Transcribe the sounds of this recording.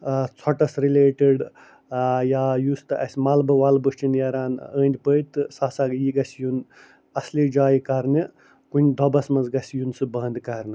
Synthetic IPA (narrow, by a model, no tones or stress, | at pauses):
t͡sʰɔʈɐsɾileːʈiɖ | jaːjust̪ɨʔɐsʲmaːlbɨʋaːlbɨʂt͡ʃinjɐɾaːnəːnʲd̪ʲpəjt̪ɨsaːsaːɡjiɡɐsʲjun | ɐsliːd͡ʒaːjikɐɾnɨ | kunʲd̪ʱɔbɐsmɐnzɡɐsʲjunsɨbɐnd̪kɐɾnɨ